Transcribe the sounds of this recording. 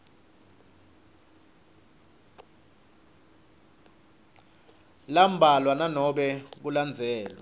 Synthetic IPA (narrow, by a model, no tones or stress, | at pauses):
lam̩bʱalwananɔɓɛk̬uland͡zʱɛːlwa̰